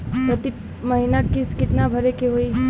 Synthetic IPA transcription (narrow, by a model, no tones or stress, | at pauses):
pɾət̪i | məɦinakiskɪt̪nabʱəɾekeɦoi